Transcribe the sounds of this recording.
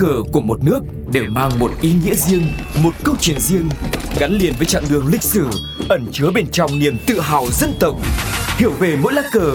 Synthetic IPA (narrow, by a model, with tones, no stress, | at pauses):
kəː˨˩ku˧˩əmo˨˩t̚nɨ˦˥ək̚ | ɗe˧˩wmaː˧ŋmo˨˩t̚ʔi˨˦ŋḭ˧˥əzi˧əŋmo˨˩t̚kə˧wt͡ɕwi˧˩ənzi˧əŋɣa˨˦nli˨˩ənvəː˨˦jt͡ɕa̰ː˧˨ŋɗɨ˨˩əŋlï˧˩k̟̚sɨ˧˩ | ʔə˧˩nt͡ɕɨ˨˦əɓe˧nt͡ɕɔ˧wŋ͡mni˨˩əmt̪ɨ̰˧˨ɦaː˨˩wzə˧˥nt̪ə˨˩wk͡p̚hi˧˩əwve˨˩mo̰˧˥jlaː˦˥kkəː˨˩